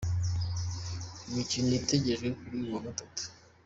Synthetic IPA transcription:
imicinoiteɟe̞ʒɡekuɾijuwaɡatatu̥

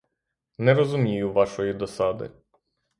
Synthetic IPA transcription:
nɛɾɔzʊmʲijʊʋɑʃɔjid̪ɔsɑd̪ɪ̰

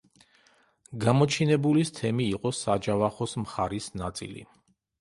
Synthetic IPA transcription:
ɡamɔt͡ʃʰinɛbulist̪ʰɛmiːqʼɔsad͡ʒavaχɔsmχaɾisnat̪sʼḭlḭ

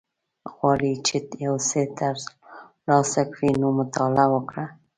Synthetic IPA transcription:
ɣwɑɽit͡ʃet̪jawset̪aɾz | lɑsakɽinomʊt̪ɑlawəkɽa

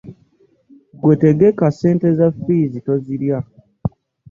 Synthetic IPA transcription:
ɡwete̞ɡe̞kase̞ːnte̞zafiːzito̞ziɾja

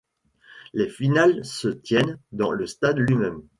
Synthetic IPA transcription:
lefinalsət̪jɛnd̪ɑ̰̃ləst̪ad̪lɥimɛm

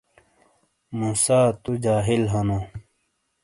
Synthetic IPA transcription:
muːsaːt̪ud͡ʑaːɦilɦɐno

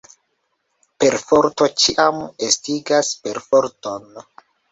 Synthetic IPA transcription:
pe̞ɾfoɾto̞t͡ʃiʔamestiɡaspe̞ɾfoɾto̞n

